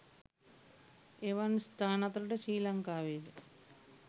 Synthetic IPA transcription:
eʋɐnst̪ʰaːnɐt̪ɾɐʈɐʃiːlɐŋkaːʋeːd

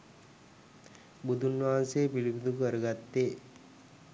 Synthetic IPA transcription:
bud̪ʱunʋaɦanseːpilibud̪ukəɾəɡat̪ːeː

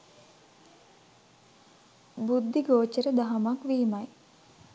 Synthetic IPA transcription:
bud̪ʱːiɡoːt͡ʃəɾəd̪aɦɐmakʋiːmaj

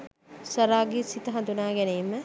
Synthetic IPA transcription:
sɐɾaːɡisit̪ɐɦɐ̃d̪unaːɡenejmɐ

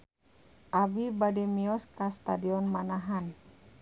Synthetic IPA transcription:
ʔabibadɛmiɔskast̪adiɔnmanaɦan

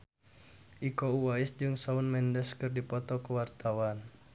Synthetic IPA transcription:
ʔikɔuwaɪsd͡ʒɨŋsaʊnmɛndɛskɨrdipɔt̪ɔkəwart̪awan

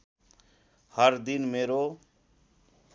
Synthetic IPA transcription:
hʌɾd̪inmeɾo

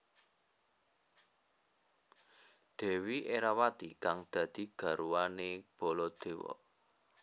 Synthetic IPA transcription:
d̪̥e̤wiʔeɾawat̪ikaŋd̪̥ä̤d̪̥i̤ɡ̥ä̤ɾuwaneb̥o̤lɔd̪̥e̤wɔ̰

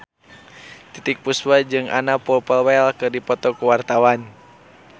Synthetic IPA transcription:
t̪it̪ik̚puswad͡ʒɨŋʔa̰napɔpəlwɛlkɨrdipɔt̪ɔkuwart̪awan

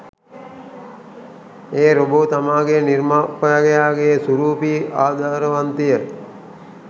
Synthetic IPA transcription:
eːɾobot̪amaːɡenirmaːpəjaɡejaːɡesuɾuːpiːʔaːd̪ʱaːɾəʋant̪ijə

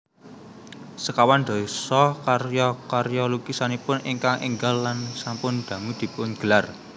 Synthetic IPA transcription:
səkawand̪̥ɔ̤isɔkarjɔkarjɔlukisanipʊnḭŋkaŋʔḭŋɡalːansampʊnd̪̥ä̤ŋud̪̥i̤pʊnɡ̥əlar

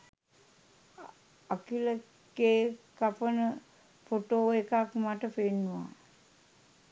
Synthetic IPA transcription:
akilə | keːkapənə | foʈoːekakmaʈəfenːuʋa̰

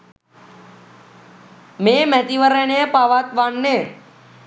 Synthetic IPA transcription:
meːmæt̪iʋəɾənejəpaʋat̪ʋanːe

